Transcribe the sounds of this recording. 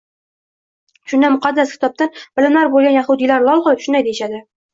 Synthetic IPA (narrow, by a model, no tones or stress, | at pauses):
ʃʊnd̪amʊqɑd̪ːaskʲʰɪ̥t̪ʰɒp̚t̪anb̥ɪlɪmlaɾbolˠɡʲanjaχʊd̪ilaɾlˠɒlˠχɒlˠɪpʃʊnd̪ajd̪ejɪʃad̪ɪ